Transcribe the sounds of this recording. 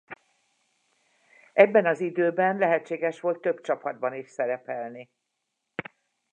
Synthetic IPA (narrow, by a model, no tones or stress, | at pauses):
ɛbːɛnɒzid̪øːbɛnlɛɦɛtt͡ʃːeːɡɛʃʋo̞lt̪ːø̞bt͡ʃɒpɒd̪̚bɒniʃsɛɾɛpɛlni